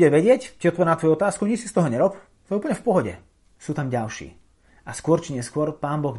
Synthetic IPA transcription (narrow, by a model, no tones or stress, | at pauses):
ɛʋɛɟɪɛcciɔt̪ʋɔɾnat̪ʋɔjuɔt̪aːskuɲit͡ʃsi̥st̪ɔɦɔɲɛɾɔp | t̪ɔɛuːpl̩ɲɛfpɔɦɔɟɛ̰ | suːt̪amɟalʃḭː | askʊɔɾt͡ʃiɲɛskʊɔɾpaːnbɔɣ